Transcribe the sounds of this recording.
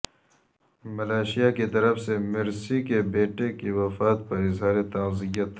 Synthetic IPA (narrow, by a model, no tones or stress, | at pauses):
mɐlaːʃijakit̪ɐɾɐfsemɪɾsikebeːʈekiwɐfaːt̪pɐɾɪzɦaːɾet̪ãːzijət̪